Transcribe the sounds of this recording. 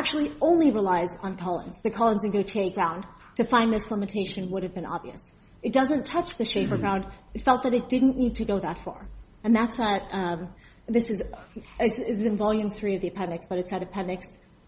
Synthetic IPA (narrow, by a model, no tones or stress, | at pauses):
æk̚t͡ʃul̩ˠiõʊ̃nliɹilaɪzn̩kʰɑlˠə̰̃nz̥ðɨkʰɑlˠə̃nzɨ̃nɡoʊtʰeɪɡɹãʊ̃n | tʰɨfãɪ̃nðɪslæmɨ̃tʰeɪʃɨ̃nwʊɾɨvbɨ̃nɑ̰bviɨ̰s | ɨt̚d̥ʌzɨ̃ntʰʌt͡ʃðɨʃeɪpə˞ɡɹãʊ̃ndɨtfɛlˠt̪̚ðɨɾɨt̚d̥ɪdⁿn̩nid̚tʰɨɡoʊðətfə̰˞ | ɨ̃nðætsət̚ | ðɪsɨzɪsɪsɨzɨ̃ɱvɑlˠjʉ̃ŋθɹiʌvðiɨpʰɛ̃ndɨksb̥ʌɾɨtsɨɾʌv̥pʰɛ̃ndɨks